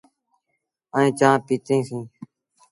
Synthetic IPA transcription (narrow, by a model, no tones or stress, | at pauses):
əẽːt͡ʃãːpiːt̪ẽːsĩː